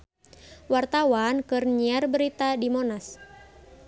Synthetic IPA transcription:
wart̪awankɨrɲiarbəɾit̪adimonas

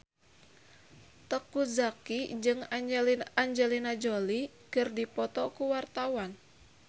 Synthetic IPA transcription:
t̪əkuzakid͡ʒɨŋlaɲd͡ʒɛlinad͡ʒoli | kɨrdipɔt̪ɔkuwart̪awan

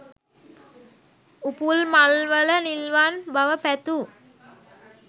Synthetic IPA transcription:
upulmalʋələnilʋanbaʋəpæt̪u

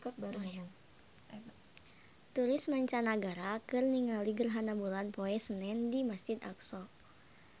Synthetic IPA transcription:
kɔt̪̚baɾu | t̪uɾɪsmaɲt͡ʃanaɡaɾakɨrniŋaliɡərɦanabulanpoɛsənɛndimasd͡ʒit̪a̰ksɔ

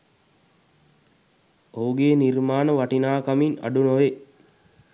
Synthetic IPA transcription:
ouɡeːnirmaːnəʋaʈinaːkamina̰ɖunoʋe

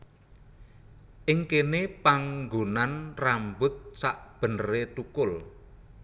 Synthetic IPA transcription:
ʔɪŋkenepaŋɡonanrambʊt̪̚saʔb̥ə̤nəɾet̪ukʊl

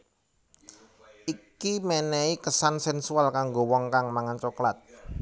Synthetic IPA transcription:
ʔikimɛnɛikəsansɛnsualkaŋɡowɔŋkaŋmaŋant͡ʃɔklat̪̚

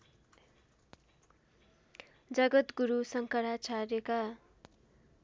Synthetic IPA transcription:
d͡zʌɡʌt̪ɡuɾusʌŋkʌɾat͡sʰarjeka

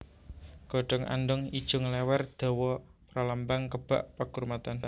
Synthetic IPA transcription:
ɡ̥ɔɖ̥ɔ̤ŋa̰nɖɔŋid̥ʒ̥ʊŋlɛwɛrd̪̥ɔ̤wɔ | pɾalambaŋkəb̥a̰ʔpaɡ̥uɾmat̪an

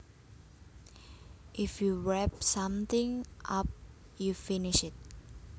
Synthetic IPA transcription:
ʔifjuɹɛp̚sãmt̪ɪ̃ŋʔap̚ | jufinɪʃɪt̚

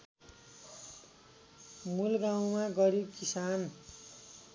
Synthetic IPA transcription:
mulɡaw̃maɡʌɾib̚kisan

